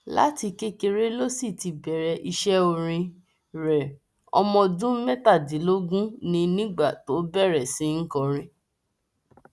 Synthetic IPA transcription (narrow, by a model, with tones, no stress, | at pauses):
la̰˦ti˧ke˦ke˧ɾe˦lo˦si˦˨ti˧bɛ˨ɾɛ˧ʔi˧ʃɛ˦o˧ɾ̃ĩ˧ | ɾɛ˨ | ɔ̰˧mɔ̃˧dũ˦mɛ˦ta˦˨di˨˦lo˦ɡũ˦nĩ˧nĩ˦ɡ͡ba˦˨to˨˦bɛ˦˨ɾɛ˨sĩ˨˦ŋ̩˦kɔ˧ɾ̃ĩ˦